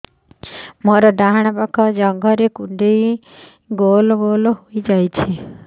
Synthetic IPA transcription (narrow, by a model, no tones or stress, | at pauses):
moɾɔɖaɦaɽ̃ɔpakʰɔd͡ʒɔŋɡʱɔɾekuɳɖej | ɡolɔɡolɔɦojd͡ʒajt͡ʃʰi